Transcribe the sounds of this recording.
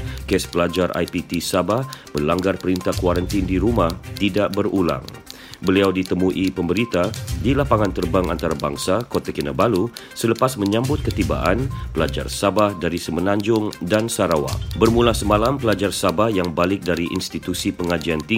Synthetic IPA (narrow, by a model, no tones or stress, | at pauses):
kɛspəlad͡ʒarʔa̰jpit̪isabahbəlaŋɡarpəɾint̪ahkwaɾant̪indiɾumaht̪idaʔbərula̰ŋ | bəliawdit̪əmuʔipəməɾit̪adilapaŋant̪ərbaŋa̰nt̪aɾaba̰ŋsakot̪akinabalusələpasmə̃ɲãmbʊt̪̚kət̪iba̰ʔanpəlad͡ʒa̰rsabahdaɾisəmənaɲd͡ʒʊŋdansaɾawa̰bərmulahsəmãlampəlad͡ʒarsabahjaŋbalɪk̚daɾiʔḭnst̪it̪usipəŋad͡ʒiant̪iŋ